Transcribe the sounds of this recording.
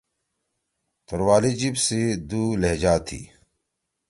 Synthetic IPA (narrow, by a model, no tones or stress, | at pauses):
t̪oɾwaːlid͡ʑibsid̪uleɦd͡ʑaːt̪ʰḭː